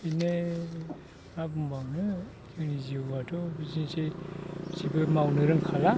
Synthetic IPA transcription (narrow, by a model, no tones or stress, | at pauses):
ine | abumbawnɯ | kʰɯniziwatɔbizinse | sibɯmawnɯɾɯŋkʰala